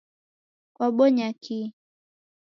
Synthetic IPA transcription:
kwaɓɔɲakʰi

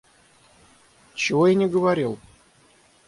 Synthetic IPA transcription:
t͡ɕɪvojanʲɪɡəvaɾʲilˠ

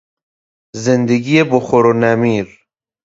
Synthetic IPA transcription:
zend̪eɡieboxoɾonamiːɾ

